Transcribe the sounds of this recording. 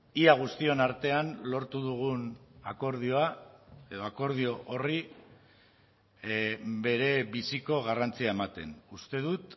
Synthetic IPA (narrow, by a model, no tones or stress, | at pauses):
iaɣ̞ust̪io̞naɾt̪e̞anlo̞ɾt̪uðuɣ̞unako̞ɾð̞io̞ae̞ðo̞ako̞ɾðio̞ʔori | be̞ɾe̞βisiko̞ɣ̞arant͡siae̞mat̪e̞̰nust̪e̞ðut̪